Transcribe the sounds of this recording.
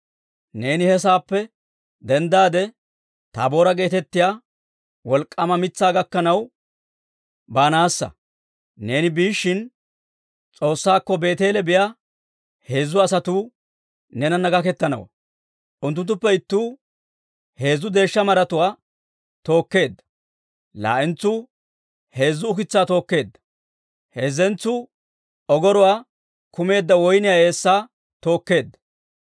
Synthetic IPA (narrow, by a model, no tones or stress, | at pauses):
ne̞ːnɪhɛs̬aːpːɛ | d̪ɛnd̪aːd̪ɛ | t̪a̰ːbo̞ːɾɐɡe̞ːt̪ɛt̪ːɪjaː | wɔlkʼːɐmɐmɪt͡sːaːɡɐkːɐnɐw | baːnaːsːɐ̰ | ne̞ːnɪbiːʃːɪn | t͡sʼo̞ːsːaːkːɔbe̞ːt̪e̞ːlɛbɪjaː | he̞ːzːʊɐsɐt̪uː | nɛnɐnɐɡɐkɛt̪ːɐnɐ̰wɐ̰ | ʔʊnt̪ːʊnt̪ːʊpːɛɪt̪ːuː | he̞ːzːʊd̪e̞ːʃːɐmɐɾɐt̪ʊwaː | t̪o̞ːkːe̞ːd̪ːɐ̥ | la̰ːʔɪnt͡sːʊ | he̞ːzːʊːk̬ɪt͡sːaːt̪o̞ːkːe̞ːd̪ːɐ̥ | he̞ːzːɛnt͡sːʊ | ɔɡɔɾʊwaː | kʊme̞ːd̪ːɐwɔjnɪjae̞ːsːaː | t̪o̞ːkːe̞ːd̪ːɐ̥